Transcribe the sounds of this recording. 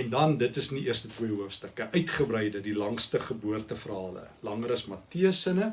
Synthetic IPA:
ɛndɐndətəsniiərstətwiəɦuəfstəkəʔœɥtχəbrɛjdədilɐŋstəχəbuərtəfərɦɑːlə̰lɐŋəɾɐsmɐtiəsənə

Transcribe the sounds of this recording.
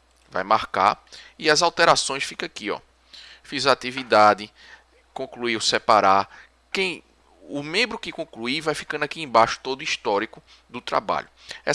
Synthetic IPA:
va̰jmahka̰iɐzawt̪ɛɾasõj̃sfikakiɔ̰ | fizɐːt̪ivid̪ad̪ɪ | kõkluiʊsɛpaɾa | kẽj̃ | ʊmẽmbɾʊkɪkõkluivajfi̥kɐ̃nd̪akiẽj̃baʃʊ̥t̪od̪ʊiʃt̪ɔɾikʊ | d̪ʊt̪ɾa̰ba̰ʎʊɛ

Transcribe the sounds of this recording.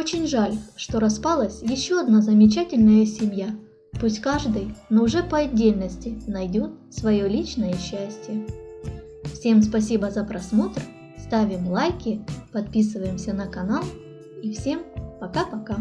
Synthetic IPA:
o̞t͡ɕɪnʲʐalʲʂt̪o̞ɾɐspalˠəsʲjɪɕːo̞ɐd̪nazəmʲɪt͡ɕætʲɪlʲnəjəsʲɪmʲja | pusʲtʲkaʐd̪ɨjnoʊʐɛpəɐdʲːelʲnəsʲtʲɪnɐjdʲot̪svɐjo̞lʲit͡ɕnəjəɕːæsʲtʲɪjə | fsʲe̞mspɐs̬ʲibəzəpɾɐsmo̞t̪r | st̪avʲɪmlˠajkʲɪpɐt̪pʲisɨvəjɪmsʲənəkɐnalˠ | ifsʲempɐkapɐka

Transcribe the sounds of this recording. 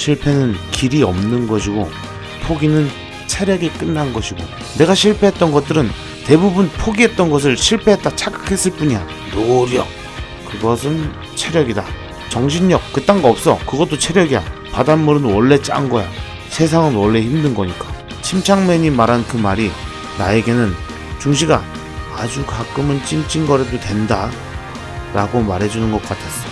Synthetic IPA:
ɕʰiɭpʰe̞nɯnkiɾiʌmnɯnɡʌɕʰiɡo | pʰoɡinɯn | t͡ɕʰeɾjʌɡik͈ɯnːannɡʌɕʰiɡo | ne̞ɡaɕʰiɭpʰe̞ɦet͈ʌnɡʌt̚t͈ɯɾɯn | te̞bubunpʰoɡiɦe̞t̚t͈ʌnɡʌs̬ʰɯɭɕʰiɭpʰe̞ɦet̚t͈at͡ɕʰak͈ɯ̥kʰe̞s͈ɯɭp͈uɲian | noɡɾʌ̰ | kɯɡʌsʰɯn | t͡ɕʰe̞ɾjʌɡida | t͡ɕʌŋɕʰinɲʌk̚k͈ːɯt͈aŋɡaʌp̚s͈ʌkɯɡʌt͈̚ot͡ɕʰe̞ɾjʌɡiapadanmuɾɯnwʌɭːe̞t͡ɕ͈a̰ŋɡʌja | sʰe̞s̬ʰaŋɯnwʌɭːe̞çimdɯnɡʌɲik͈ḁ | ɕʰimt͡ɕʰaŋmeɲimaɾankɯmaɾi | nae̞ɡe̞nɯn | t͡ɕuŋɕ̬ʰiɡaː | d͡ʑukak͈ɯmɯnt͡ɕ͈imt͡ɕ͈ʰinɡʌɾedotwe̞nda | ɾaɡomaɾɦe̞d͡ʑunɯnɡʌk͈atʰe̞s͈ʌ

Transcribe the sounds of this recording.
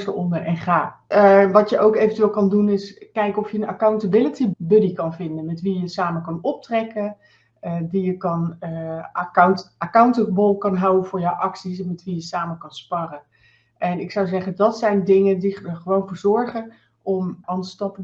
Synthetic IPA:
stə̰ɔndəɹɛnχaːʋɑtjəʔowkejvəntyʋeːlˠkɑndunɪskɛjkɔfjəənakawntəbɪlətibɵdikɑnvɪndənmɛtʋijəsaːməkɑnɔp̚trɛkə | əʋijəkɑnəkawntakawntəbolˠkɑnɦawənv̥ʊːɹjawʔɑksisɛnmɛtʋijəsaːməkɑnspɑrən | ʔɛnɪksawzɛχədɑtsɛjndɪŋəndidəχəʋownvʊːɹzɔɹχən | ʔɔmɑndəstɑpə

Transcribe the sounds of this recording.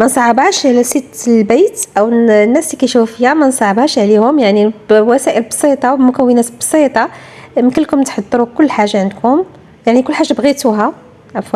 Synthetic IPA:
mænsˤɑʕɑbæʃʕlæsit̪ːəlbæjt̪ʔæwnːæslikæjʃuffəjæmænsˤɑʕəbæʃʕlihʊmjaʕniwæsæʔəlbsˤit̪ˤɑwmʊkæwːənæt̪bsˤit̪ˤɑməkəlːkʊmt̪ħɑd̪ˤːɾukʊlːħaʒːaʕənd̪kʰʊm | jaʕnikʊlːħaʒːabɣit̪uɦæ | ʕæfæ

